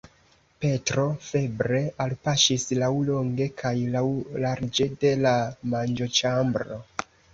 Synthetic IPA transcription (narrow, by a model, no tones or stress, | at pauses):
pe̞tɾo̞fe̞bɾe̞alpaʃislawlo̞ŋɡe̞kʰajlawlaɾd͡ʒe̞de̞lamand͡ʒo̞t͡ʃambɾo̞